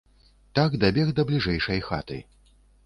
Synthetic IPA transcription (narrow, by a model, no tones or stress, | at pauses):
t̪aɡd̪abʲɛɣd̪ɐblʲiʐɛjʂɐjxa̰t̪ɨ̰